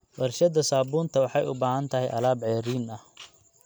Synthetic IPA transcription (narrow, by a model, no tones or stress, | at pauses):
wɐrʃɐðɐsaːbuːnt̪ʰɐwɑħɑjʊ̰baːhɐnt̪ʰɐɦɛjʔɐ̰laːbʕɛːɾiːnɐh